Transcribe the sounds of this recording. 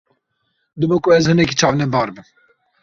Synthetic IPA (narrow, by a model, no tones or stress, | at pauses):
d̪ɨbokuɛzhɨnɛk̬it͡ʃʰɑːvnɛbɑːɾbɨn